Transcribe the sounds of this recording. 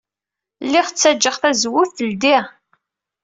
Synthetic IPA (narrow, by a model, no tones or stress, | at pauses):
lːiʁt͡sːæd͡ʒːəʁθæzwʊfθəld̪iʁ